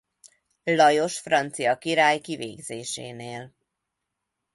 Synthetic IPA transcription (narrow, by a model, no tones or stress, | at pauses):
lɒjo̞ʃfrɒnt̪sijɒkiɾaːjkiveːɡzeːʃḛːneːl